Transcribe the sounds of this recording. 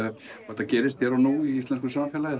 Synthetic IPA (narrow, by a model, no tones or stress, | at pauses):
ɔ̥hɛ̥t̪ːacɛːɾɪst̪çɛɾawnuːiist̪ɛnskʏsamfɛːlaɪ